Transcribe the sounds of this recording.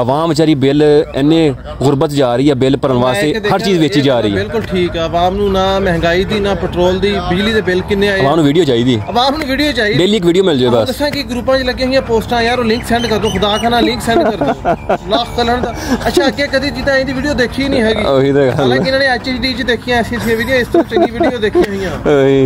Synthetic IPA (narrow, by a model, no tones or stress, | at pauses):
əʋaːmt͡ʃaːɾiːbɪlɛ̰nːẽː | ɣʊɾbət̪d͡ʒaːɾəiːɛːbɪlpəɾənʋaːseːd̪ɦəɾt͡ʃiːzʋeːt͡ʃiːd͡ʒaːɾəiːbɪlkʊlʈʰiːkɛːəʋaːmnũːnãːmɛ̃ɦŋɡaːiːd̪iːnãːpəʈɾoːld̪iːbid͡ʒliːd̪eːbɪlkɪnːeːaːeəʋaːmnũːʋiːɖijoːt͡ʃaːiːd̪iːəʋaːmnũːʋiːɖijoːt͡ʃaːiːbeːliːɪk̬ʋiːɖijoːmɪld͡ʒoːeːbəsd̪əsãːkɪɡɾuːpãːt͡ʃləɡẽːɦɪjãːpoːsʈãːjaːɾõːlɪ̃ŋksɛ̃ːɳɖkəɾd̪õːkʰʊd̪aːkanãːlɪ̃ŋksɛ̃ːɳɖɳkəɾd̪oːlaːkʰkələɳd̪aːətːʃʰaːɡeːkəd̪iːd͡ʒit̪ãːĩːd̪iːʋiːɖijoːd̪eːkʰiːnĩːɦɛːɡioːɦid̪eɡəlaɪnãːnẽːɛːt͡ʃet͡ʃɖiːt͡ʃd̪eːkʰijãːɛseːsãːʋiːd̪ijãːɪst̪ːt͡ʃəɖiːʋiːijoːd̪eːkʰijãːɦɪjãː